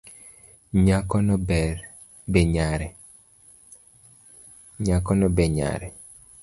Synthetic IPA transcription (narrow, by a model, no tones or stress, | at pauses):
ɲakɔnɔbɛr | beɲaɾɛ | ɲakɔnɔbɛɲa̰ɾɛ